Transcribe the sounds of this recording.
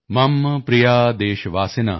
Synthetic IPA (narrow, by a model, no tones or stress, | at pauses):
mɐmːɐpɾijaːd̪eːʃɐʋaːsina̰ː